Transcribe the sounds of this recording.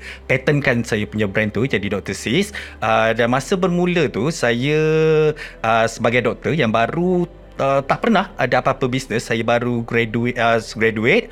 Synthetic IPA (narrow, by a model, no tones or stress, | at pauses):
pɛt̪ənkansajəpuɲabɾɛnt̪ud͡ʒadidɔk̚t̪əsisədanmãsəbərmũlət̪usajə | ʔəsəbaɡajdɔk̚t̪əjaŋbaɾu | ət̪aʔpərnahadaapapəbisnə̃sːajəbaɾuɡɾɛduʔəɡɾaduet̪̚